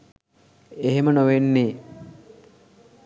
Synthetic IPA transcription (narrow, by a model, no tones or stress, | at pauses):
eɦemənoʋenːeː